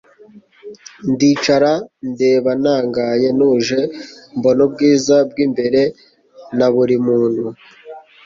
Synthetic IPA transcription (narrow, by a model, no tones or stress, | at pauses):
ndiːt͡ʃaɾande̞ːβanaːŋɡaje̞nuʒe̞mbo̞nob̚ɡiːzab̚ɡimbe̞ɾe̞ | naβuɾimuːn̥hu